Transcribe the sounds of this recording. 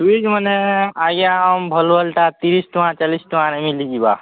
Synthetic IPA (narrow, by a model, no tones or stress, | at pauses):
uid͡ʒməneaɡambʱəlbəlʈat̪iɾisʈuãt͡ʃalisʈuãnemilid͡ʒiba̰